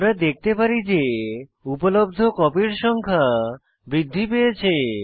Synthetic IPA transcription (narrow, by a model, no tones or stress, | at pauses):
ɾad̪ek̚ʰt̪epaɾid͡ʑeupolobd̪ʱokɔpiɾʃɔŋkʰa | bɾid̪ʱːipejet͡ɕʰe